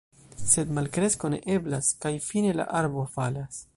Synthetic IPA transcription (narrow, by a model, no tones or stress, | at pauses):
se̞d̪malkɾe̞sko̞ne̞̰ʔe̞blaskajfine̞la̰ʔaɾbo̞falas